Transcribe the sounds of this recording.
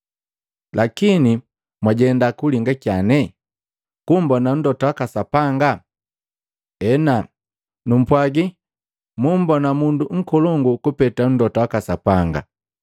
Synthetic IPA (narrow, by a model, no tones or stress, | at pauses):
lʔakini | mwaɟɛndakuliŋɡakjanɛ | kumbɔnan̩dɔtawakasapaŋɡa | ɛna | num̩pwaɡi | mum̩bɔnamunduŋ̩kɔlɔŋɡukupɛtan̩dɔtawakasapaŋɡa̰